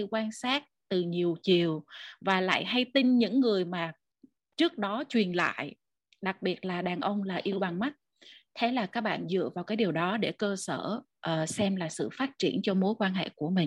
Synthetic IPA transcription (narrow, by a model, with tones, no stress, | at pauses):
kwaː˧nsaː˦˥t̚t̪ɨ˨˩ɲi˨˩əwt͡ɕi˨˩əwvaː˨˩la̰ː˧˨jɦa˧jt̪i˧ŋɲɨ̰˧˥ŋːɨ˨˩əjmaː˨˩ | t͡ɕɨ˦˥ək̚ɗɔ˨˦t͡ɕwi˨˩ənla̰ː˧˨j | ɗa˨˩k̚ɓi˨˩ət̚laː˨˩ɗaː˨˩nʔə˧wŋ͡mlaː˨˩ʔi˧əwɓa˨˩ŋma˦˥t̚ | t̪ʰe˨˦laː˨˩kaː˦˥k̚ɓa̰ː˧˨nzɨ̰˧˨əvaː˨˩wkaː˨˦jɗi˨˩əwɗɔ˨˦ɗe˧˩kəː˧səː˧˩ | ʔːsɛ˧mlaː˨˩sɨ̰˧˨faː˦˥t̚t͡ɕi˧˩ənt͡ɕɔ˧mo˨˦jkwaː˧nɦḛ˧˨ku˧˩əmï˨˩